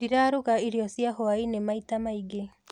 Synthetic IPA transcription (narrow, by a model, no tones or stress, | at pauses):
diɾaːɾuɣaiɾiɔsjaɦoainemaitamaiɡe